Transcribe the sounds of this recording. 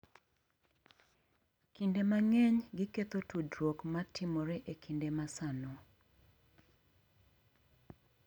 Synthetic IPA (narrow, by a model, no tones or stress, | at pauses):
kindemaŋɛɲɡɪket̪otʰudɾwokmatʰɪmɔɾɛʔekʰindemasano